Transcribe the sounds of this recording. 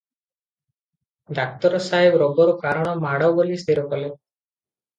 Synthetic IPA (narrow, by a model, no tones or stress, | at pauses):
ɖak̚t̪ɔɾɔsaɦebɾɔbɔɾukaɾɔɽ̃ɔmaɽɔwbolist̪iɾɔkɔle